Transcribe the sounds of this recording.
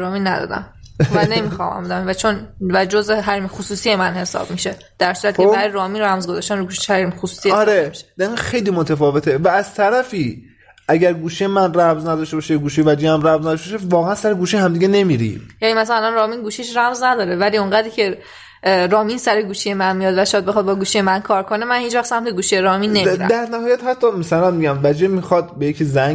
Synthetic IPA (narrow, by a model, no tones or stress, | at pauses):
ɾɒːminːæd̪ɒ̰ːd̪æ̰m | vænemiːxɒ̰ːmæ̰mbed̪æmvæt͡ʃʰonvæd͡ʒozeɦæɾimxosuːsije̞mænhe̞sɒ̰b̥miʃe̞ | d̪̥æɾsuːɾæt̪̚kʰeɾɔjɾɒːminræmzɡozɒːʃt̪ænuɡuːʃe̥ʃhæɾimxosu̥ːsijeɒɾemʃd̪̥æɾiŋɡæxe̞jliːmot̪ʰæfɒːve̞t̪ʰevæːz̥t̪ʰæɾæfiː | ʔæɟæɾɡuːʃijemænræmznæd̪ɒʃtebɒːʃeɡuːʃijvæd͡ʒiæmɾæmznæd̪ɔʃteɔʃevɒːɣeænsæɾeɡuːʃihæmd̪iːɡene̞miɾḭmjænimæsællænɾɒːmiːnɡuːʃiʃɾæmznæd̪ɒːɾe̞væliːoŋɢæːd̪icʰe̞ | ɾɒːmiːnsæɾeɡuːʃijemænmijɒːd̪væʃɔjd̪̚bexɒd̪̚bɒːɡuːʃijemænkʰɒːɾkʰo̞nemænhiːt͡ʃvæxt̪sæmt̪ʰeɡuːʃijeɾɒːmiːnːeidæ̰d̪æɾnæhɒːjæt̪hæt̪ʰːɒmæsælænmiɟæmvæd͡ʒemixɒd̪bejecʰizæɲŋɡ